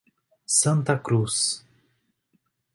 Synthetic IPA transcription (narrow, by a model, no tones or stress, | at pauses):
sɐ̃nt̪ɐkɾus